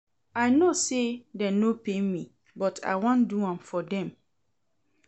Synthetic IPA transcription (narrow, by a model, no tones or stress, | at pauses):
aɪnosedɛnopʰemĩ | bɔtʰa̰wɔ̃nduãmfɔdɛ̃m